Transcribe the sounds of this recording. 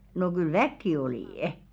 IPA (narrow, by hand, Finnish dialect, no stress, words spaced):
no kyl ʋækːi oliˑ